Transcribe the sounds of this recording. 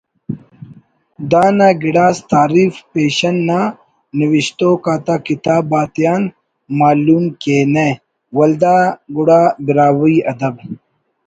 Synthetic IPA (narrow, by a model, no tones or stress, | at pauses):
d̪aːnaɡiɽaːst̪aːɾiːfpeːɕɐnːa | niwiɕt̪oːkaːt̪akit̪aːbːaːt̪ijaːn | maːlumkene | wɐld̪aːɡuɽaːbiɾaːwiɐd̪ɐb